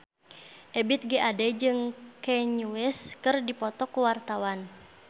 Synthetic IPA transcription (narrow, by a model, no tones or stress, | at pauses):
ʔɛbit̪̚ɡiʔadɛd͡ʒɨŋkɛɲuwɛskɨrdipɔt̪ɔkuwart̪awan